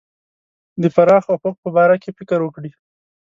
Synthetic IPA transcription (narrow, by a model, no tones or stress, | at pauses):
d̪əfaɾɑxawpok̚pəbɑɾakefɪkəɾwəkɽi